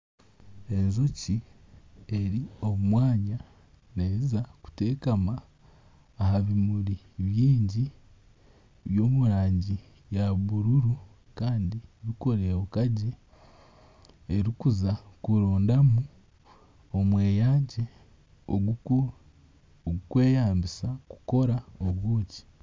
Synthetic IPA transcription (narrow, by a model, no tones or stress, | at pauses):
e̞nzoci | eɾio̞mumwaːɲa | neizaku̥te̞ːkamaː | haβimuɾi | βjiːɲɟi | βjo̞ːmuɾaːɲɟi | jaβuɾuɾu | kaːndiβiko̞ɾeβukaɟe | eɾikuzakuɾo̞ːndamu | omwe̞ːjaːɟe̞ | oɡ | oɡukwe̞ːjaːmbisaku̥ko̞ɾaoβwuːci̥